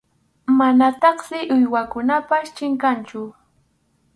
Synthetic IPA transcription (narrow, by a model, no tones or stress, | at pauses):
manat̪ɑχsɪʔʊjwakʊnapast͡ʃɪŋkant͡ʃʊ